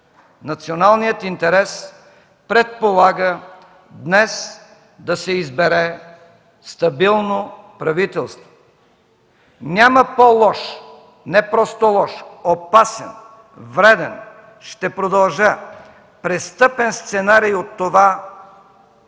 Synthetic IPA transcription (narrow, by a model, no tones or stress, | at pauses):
nɐt̪sionalˠnijət̪int̪ɛɾɛs | pɾɛt̪̚polˠaɡə | d̪nɛs | d̪ɐsɛizbɛɾɛ | st̪ɐbilˠnopɾɐvit̪ɛlˠst̪vo̥ | nʲaməpolˠɔʃ | nɛpɾɔst̪olˠɔʃopasɛ̰n | vɾɛd̪ɛn | ʃt̪ɛpɾod̪ɐlˠʒə | pɾɛst̪ɤpɛnst̪sɛnaɾijot̪ːova